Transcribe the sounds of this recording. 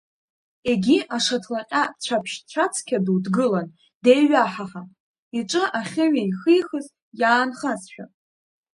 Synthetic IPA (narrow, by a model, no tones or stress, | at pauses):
e̞ɡʲiʔaʂatʰlaqʲʼat͡ɕʷʰapʰʃt͡ɕʷʰat͡sʰkʲʰaduwdɡɨlan | dejɥaħaχan | iʈ͡ʂʼɨʔaχʲɨɥaiχɨjχəz | jaːnχazʃᶣa̰